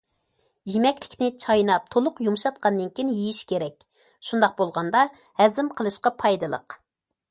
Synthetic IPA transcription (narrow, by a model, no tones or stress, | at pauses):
jemɛkʲlɪ̥kʲnɪt͡ʃʰɑjnɑp̚t̪ʰolˠʊqjumuʃɑt̪̚qʰɑnːɨnkʲʰinjijiʃkʲʰeɾɛkʲ | ʃund̪ɑq̚bolˠʁɑnd̪ɑ | hɛzɪmqʰəlˠɨʃqɑpʰɑjd̪ɨlˠə̰q